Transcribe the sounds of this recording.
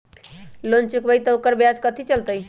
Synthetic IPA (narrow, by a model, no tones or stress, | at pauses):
lont͡ʃukbəjt̪əokəɾbjad͡ʒkət̪ʰit͡ʃəlt̪əj